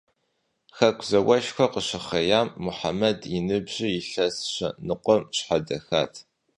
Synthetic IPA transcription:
xɐkʷʰzɐwɐʃxʷɐqəɕɪχɐjaːmːʊħa̰mɐdinɨbʑɪjɪɬɐsɕɐ̰nɨqʷɔmɕħadɐxaːtʰ

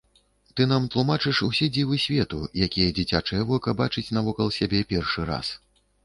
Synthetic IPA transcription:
t̪ɨnamt̪lˠumat͡ʂɨʂusʲɛd͡zʲivɨsʲvʲɛt̪ṵjakʲijɛd͡zʲit͡sʲat͡ʂɨjɛvɔkɐbat͡ʂɨt͡sʲnɐvɔkɐlˠsʲabʲɛpʲɛrʂɨɾa̰s

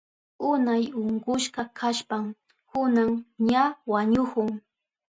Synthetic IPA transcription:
ʊnajʊɴɢʊʃkɑkʰaʃpam | kʊnaŋɲawaɲʊkʊŋ

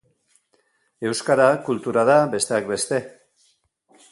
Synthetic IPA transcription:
e̞wskaɾakult̪uɾaðabe̞st̪e̞akbe̞st̪e̞

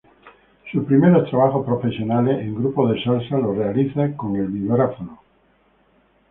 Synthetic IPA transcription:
supɾimeɾot̪ɾaβ̞axopɾofesjonaleʔeŋɡɾupoðeʃalsalorealiθekoŋelbiβɾafono

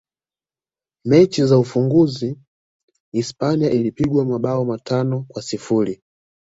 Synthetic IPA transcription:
mɛt͡ʃizaufuŋɡuziː | spaniaʔilipiɡwamaɓaɔmatʰanɔkwasifuli

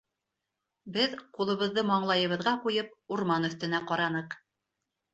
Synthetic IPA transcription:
bɘðqulˠɤ̆βɤ̆ðːɤmɑɴlˠɑjɤ̆βɤ̆ðʁɑqujɤp̚uɾmɑnɵ̆θt̪ɘ̆næqɒɾɑnɤq

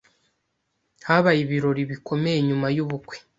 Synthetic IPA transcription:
haβajiβiɾo̞ɾiβiko̞mejeɲumajuβukwe̥

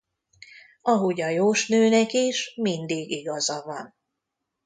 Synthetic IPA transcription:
ɒɦoɟɒjoːʃnøːnɛkiʃmind̪iːɡiɡɒzɒvɒn

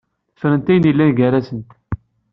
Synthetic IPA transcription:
θə̥fɾənt̪æjənjilːænɡæɾæsənt̪

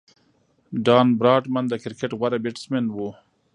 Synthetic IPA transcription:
ɖɑːnbɾɑːʈmand̪əkɪɾkeʈɣwaɾabɪʈsmenwu

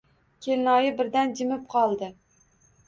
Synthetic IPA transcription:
kʲʰelnɒjɪbɪɾd̪and͡ʒɪmɪp̚qʰɒlˠd̪ɪ

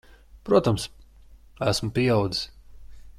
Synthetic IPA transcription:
pɾuɔt̪ams | æsmʊpiɛawd̪zi̥s

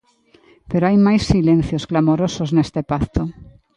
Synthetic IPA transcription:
peɾoajmajsːilẽn̟θjosklamoɾosoznest̪epaθt̪o

